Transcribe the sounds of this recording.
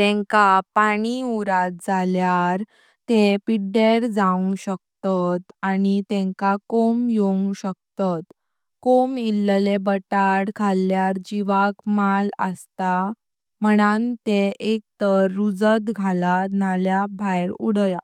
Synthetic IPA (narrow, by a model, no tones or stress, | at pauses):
t̪ɛ̃ŋkapaɽ̃iuɾat̪̚d͡zaljaɾ | t̪epiɖeɾd͡zaũɕək̚t̪at̪anit̪ɛ̃ŋkakomjoũɕək̚t̪at̪ | komillebəʈaɽkʰaljaɾd͡ʑiʋakmalə̰st̪a | məɽ̃ant̪eek̚t̪əɾːud͡zət̪ɡʱalanaljabʱajɾuɽəja